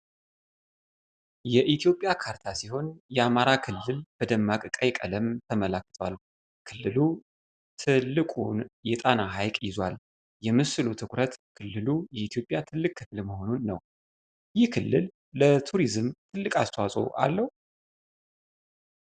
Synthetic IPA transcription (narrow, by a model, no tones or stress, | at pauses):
jɛʔit̪ʰijo̞pʼjakʰaɾt̪ʰasiɦo̞njɛamaɾakʰɨlːɨlb̥əd̪əmːakʼɨkʼəjkʼələmt̪ʰəmələkːɨ̥t̪ʰwa̰l | kʰɨlːɨlu | t̪ʰɨlːɨkʼunjɛt̪ʼanaɦajkʼjɪzwal | jɛmɨsɨlut̪ʰɨkʷɾət̪kʰɨlːɨlujɛit̪ʰjo̞pʼjat̪ʰɨlːɨkʼːɨfɨlməho̞nunːə̰w | jɪhkʰɨlːɨlː | ət̪ʰuɾizɨmt̪ʰɨlːɨkʼast̪ʰwasʼo̞̰ʔa̰lːəhu